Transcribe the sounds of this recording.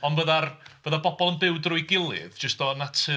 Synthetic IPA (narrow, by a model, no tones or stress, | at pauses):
ɔndvəðarv̥əːðabɔbɔlˠənbɪwdrʊɨɡɪlˠɪ̰ðd͡ʒəstɔnatʰə